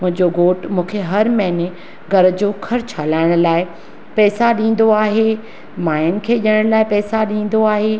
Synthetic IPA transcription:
mʊ̃ɦɪ̃ɲd͡ʑoɡoːʈmũːkʰeɦɐɾmɛːne | ɡʱɐɾ̆d͡ʑoːkʰɐɾt͡ɕʰaːlaːɪɽ̃ʊlaːɪ | pɛːsaɗĩːn̆d̪oaːɦeː | maːjənɪ̆kʰeːʄəɽ̃ʊlaːɪpɛːsaɗĩːn̆d̪oaːɦeː

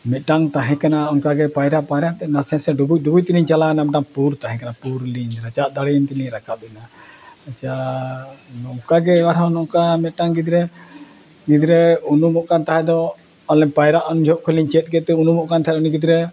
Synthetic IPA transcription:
mɛt̪̚ʈaŋt̪aɦɛ̃kanaɔnkaɡɛpajɾaʔpajɾaʔt̪ɛnasɛɾsɛɖubuj̚ˀɖubuc̚t̪iliɲt͡ʃalanamʈaŋpuɾt̪aɦɛ̃kanapuɾliɲɾat͡ʃaʔ̪̚d̪aɽɛnt̪iniɾakad̪unaat͡ʃa | nɔkaɡɛwaʈʰɔ̃nɔkamɛt̪̚ʈaŋɡid̪ɾɛ | ɡid̪ɾɛunumɔʔkant̪aɦɛd̪ɔ | ɔlɛpajɾaʔɔnud͡ʒʱɔʔkʰɔliɲt͡ʃɛt̪̚ˀkɛt̪ɛunumɔʔkant̪aɦɛɔniɡid̪ɾɛ

